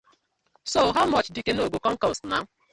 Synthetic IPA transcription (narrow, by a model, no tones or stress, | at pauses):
soɦaʊmɔt͡ʃdɪkenoɡokɔ̃ŋ̩kɔstna̰